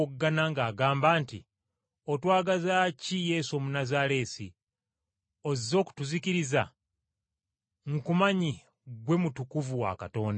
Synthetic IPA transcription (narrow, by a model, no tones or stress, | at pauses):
ɡːanaŋɡaːɡaːmbaːntḭ | otwaːɡazacije̞somunazaɾe̞ːsi | o̞zizo̞ːku̥tuziciɾiza | ŋkumaɲi | ɡwe̞mutukuvuwa̰kato̞ːnda